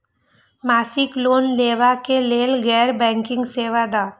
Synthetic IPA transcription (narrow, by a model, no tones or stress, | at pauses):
maːsɪkloːnleːʋakeleːlɡɛːɾbɛ̃ːŋkɪ̃ŋɡseːʋad̪aː